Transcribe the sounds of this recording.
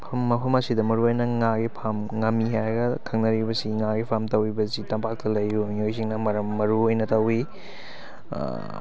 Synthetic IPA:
pʰɐmːɐpʰɐmɐsidɐmɐɾuojnɐŋaɡipʰamŋɐmːiɦajɾɐɡɐkʰɐŋnɐɾibɐsiŋaɡipʰamtɐwibɐzitɐmpʰak̚tɐlɐjːumiojs̬iŋnɐmɐɾɐmːɐɾuojnɐtɐwi

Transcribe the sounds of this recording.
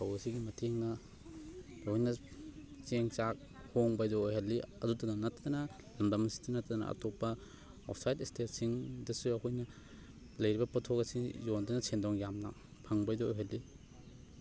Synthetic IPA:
sʰawɐsiɡimɐtʰeŋnɐ | jnɐt͡ʃeŋt͡ʃak̚ | hoŋbajdoːjɦɐlːiɐdutɐɡɐnɐtːɐdɐnɐ | lɐmdɐmɐsi̥tinɐtːɐdɐnɐ̰ɐ̰topːɐ | ɔ̰pʰsajtistet̚siŋdɐsuɐkʰojnɐ | lɐjɾibɐpɐtʰokɐsiŋjondɐnɐsʰendɔŋjamnɐ̰ | pʰɐŋbajdo̰jɦalːi

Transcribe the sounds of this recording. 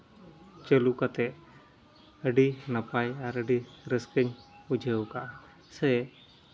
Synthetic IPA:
t͡ʃəlukat̪ɛʔ | əɖinapajaɾəɖiɾəskəɲud͡ʒʱəwkaʔa | səj

